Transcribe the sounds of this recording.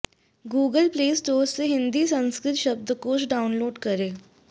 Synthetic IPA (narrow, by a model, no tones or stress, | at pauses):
ɡuːɡəlpleːsʈoːɾsseɦɪ̃nd̪iːsə̃nskɾɪt̪ʃəb̚d̪koːʃɖaːʊnloːɖkəɾeː